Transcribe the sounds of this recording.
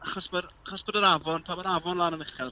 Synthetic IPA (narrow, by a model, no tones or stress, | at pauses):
aχɔsməraχɔsb̥odəɾavɔntʰaːbəɾavɔnlˠaːnənɪχɛl